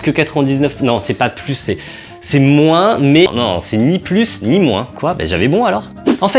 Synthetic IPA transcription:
kəkat̪χəvɛ̃d̪iznœfnɔ̃sɛpaplysːɛ | sɛmwɛ̃mɛnɔ̰̃sɛniplysnimwɛ̰̃kwaba̰ʒa̰vɛbɔ̃alɔːʁ | ɑ̃fɛ

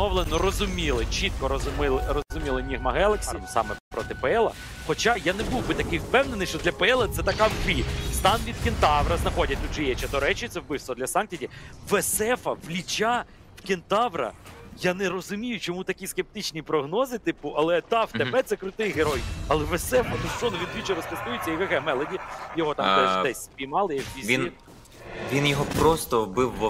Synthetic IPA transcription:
ɔwlˠenɔɾɔzʊmʲilˠɪt͡ʃit̪̚kɔɾɔzʊmɪlˠɪrɔzʊmʲilˠɪnʲiɦmɐɦɛlˠeksʲisɑ̰mɛ̰pɾɔt̪ɪpeɛlˠɐ̰ | xɔt͡ʃajanebuwbɪt̪ɐkɪjwpɛwnenɪjʃt͡ʃɔd̪lʲɐpeɛlˠɐt̪sɛt̪ɐkɑwʋʲist̪ɑnʋʲid̪kʲɪnt̪ɑʋɾɐznɐxɔdʲɐt̚ʲt̪ud̪ʒɛjɛt͡ʃɐd̪ɔɾɛt͡ʃɪt̪sɛwbɪwst̪ʋɔd̪lʲɐsɑntʲidʲiʋesɛfɐʋlʲit͡ʃa | wkʲɪnt̪ɑʋɾɐ̰janɛɾɔzʊmʲijʊt͡ʃɔmut̪ɐkʲiskʲep̚t̪ɪt͡ʃnʲipɾɔɦnɔzɪt̪ɪpʊʔɐlˠɛt̪ɑwt̪ebɛt̪sɛkɾʊt̪ɪjɦeɾɔjɐlˠɛʋesɛfɐnʊst͡ʃɔnʊʋʲinʋʲit͡ʃɛɾɔspɔst̪ujʊt͡sʲːɐikɐkɛmɛlˠɐdʲijɔɦɔt̪ɑmd̪ɛʒdɛsʲspʲijmɑlˠɪjɐkʋʲizʲini | ʋʲinjɔɦɔpɾɔst̪ɔbɪwːɔ

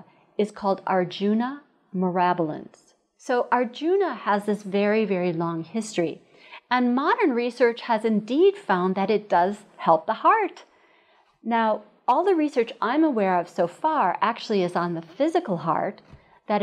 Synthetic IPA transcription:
ɨz̥kʰɔlˠdɑ̰ɹd͡ʒʉnə | mə˞æbl̩ˠə̰̃ns | soʊʔɑɹd͡ʒʉnəəzðɪsvɛɹivɛɹilɔ̃ŋhɪstɹ̥i | ɨ̃nmɑɾə̃˞nɹisɜ˞t͡ʃhɨzɨ̃ndid̥fãʊ̃nðɨɾɨt̚d̥ʌz̥hɛlˠp̚ðəhɑɹt | naʊ | ɔlˠðɨɹisɜ˞t͡ʃʔãɪ̃məwɛɹʌv̥soʊfɑɹʔæk̚t͡ʃʉl̩ˠiɨzn̩ðəfɪzɨkl̩ˠɦɑ̰ɹt̪̚ | ðɨɾ

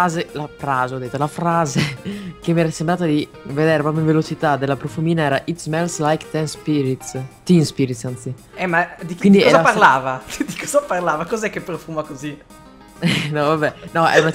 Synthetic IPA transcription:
azelafɾaːzeɔd̪et̪ːalafɾaːzekemːiɛɾasembɾaːt̪ad̪i | ved̪eːɾepɾɔpjoiɱvelot͡ʃit̪ad̪elːapɾofumiːnaɛːɾaʔit̪smɛlslajkt̪ɛnspiɾit̪t̪ːinspiɾit̪sant̪si | ɛmad̪ikwind̪ikɔɛzapaɾlaːvad̪ikɔzaparlaːvakɔzɛkːepːɾofumakozi | ɛnɔvabɛnɔɛ̰una

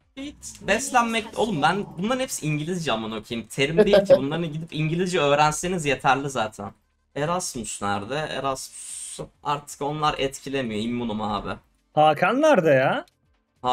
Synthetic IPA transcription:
jit̪bɛslʲænmɛc̚t̪ʲo̞lˠumbænbunlˠaɾɯnhepsiɲɟilʲizd͡ʒamano̞cʰijimt̪ʰe̞ɾimejicʰibunlˠaɾɯnɟid̪ipiɲɟilʲizd͡ʒɛø̞ːɾænse̞nizje̞t̪ʰæɾlʲizaːt̪ʰæ̰n | eɾasmyʃnæ̰ɾd̪ɛɛ̰ɾasmyʃa̰ɾt̪ʰɯ̥ko̞nlˠaɾɛt̪cʰilʲe̞mijo̞imːunuma̰ːbɪ | haːkʰanlæɾd̪ajaː | ha

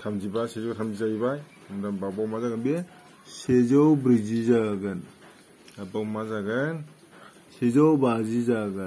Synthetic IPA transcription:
tʰamzibasezawtʰamzizaɡibaj | mdambabawmazaɡɯnbe | sezawbɾizizaɡɯn | abawmazaɡɯn | sezawbazizaɡɯ

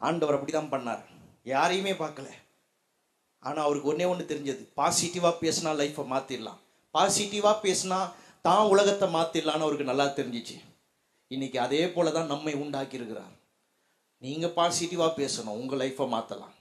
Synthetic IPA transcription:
ʔa̰ːɳɖɐʋɐɾɐpːɐɽit̪ãːpɐɳːa̰ːɾ | jaːɾɐjɯmeːpaːɾkɐlɛ̰ | a̰ːnaːɐʋɐɾɯkːɯɔnːeːɔnd̪ɯt̪ɛɾɪɲd͡ʒɐðɯpaːsɪʈɪʋaːpeːsɐnaːlɐɪfɐmaːt̪ɪlːã̰ː | paːsɪʈːɪʋaːpeːsɐnaː | t̪ãːʊlɐɣɐt̪ːɐmaːt̪ːɪlːaːnɐʋɐɾɯkːɯnɐlːaːt̪ɛɾɪɲd͡ʒɪt͡ʃːɯ̰ | ɪnːɪkːɯɐðeːpoːlɛt̪ãːnɐmːɐɪʊɳɖaːkːɪɾɯkːɪɾa̰ːɾ | niːŋɡɐpaːsɪʈːɪʋaːpeːsɐnʊ̰̃ʊŋɡɐlɐɪfɐma̰ːt̪ːɐlã̰ː

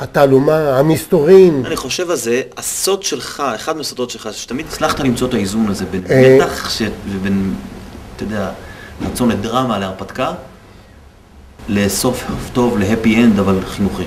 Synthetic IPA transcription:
hat̪aːlumahamist̪oʁimaniχo̞ʃe̞valze̞aso̞d̪ʃelχaeχad̪mesod̪o̞t̪ʃelχaʃe̥t̪amid̪it͡slaχt̪alimt͡soet̪aizunalze̞benmeaχʃeveben | t̪od̪eaʁat͡so̞nled̪ʁamaleaʁpat̪ka | le̞so̞fhofto̞vleɦepiend̪avalχinuχi

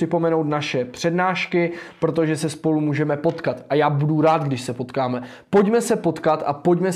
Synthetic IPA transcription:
ɪpo̞mɛnowt̪naʃɛpr̥ɛdnaːʃkɪpɾo̞t̪̬oʒɛsɛspo̞lumuːʒɛmɛpo̞t̪kat̪ʔajaːbuduɾaːt̪ɡdɪʃsɛpo̞t̪kaːmɛ | po̞ɟmɛsɛpo̞t̪kat̪ʔapo̞ɟmɛ

